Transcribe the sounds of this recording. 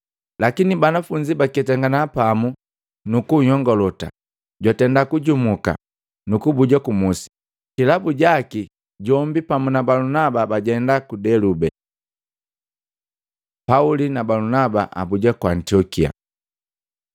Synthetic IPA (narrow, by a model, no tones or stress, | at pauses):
lakinibanafuɲd͡ʒibakɛtaŋɡanaːpamu | nukuɲɔŋɡɔlɔta̰ | ɟwatɛndakuɟumuka̰ | nukubuɟakumusi̥ | kilabuɟaki | ɟɔmbipamunabalunababaɟɛndakudɛlubɛ | paulinabalunaba̰ʔa̰buɟakuantiɔkia̰